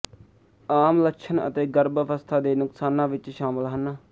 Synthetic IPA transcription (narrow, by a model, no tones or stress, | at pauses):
aːmləkʃʰənə̰t̪eːɡəɾbʋəst̪ʰaːd̪eːnʊksaːnãːʋɪt͡ʃʃaːmɪlɦənaː